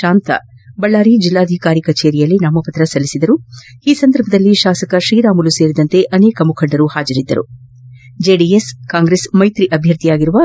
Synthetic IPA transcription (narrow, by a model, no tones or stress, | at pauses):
ʃaːnt̪ɐ̰ | bɐɭːaːɾid͡ʒilːaːd̪ʱikaːɾikɐt͡ʃeːɾijɐlːinaːmɐpɐt̪ɾɐsɐlːisid̪ɐɾuiːsɐnd̪ɐɾbʱɐd̪ɐlːiʃaːsɐkɐʃɾiːɾaːmuluse̞ːɾid̪ɐnt̪e̞ʔɐneːkɐmukʰɐɳɖɐɾuhaːd͡ʒɐɾid̪ːɐ̰ɾṵ | d͡ʒeːɖieskaːŋɡɾesmɐjt̪ɾiʔɐbʱjɐɾt̪ijaːɡiɾuʋɐ